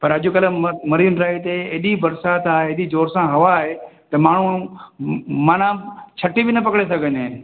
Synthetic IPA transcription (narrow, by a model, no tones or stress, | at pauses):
pɐɾɐʄʊkɐləmɐɾiːnɾaːɦit̪eːɗibɐɾsaːt̪aːɦeɪɗid͡ʒoːɾsãɦɐʋaːɦet̪ɐmaːɳ̤u | maːnãt͡ɕʰɐʈibɪnɐp̬ɐkɽesɐɡʱənẽ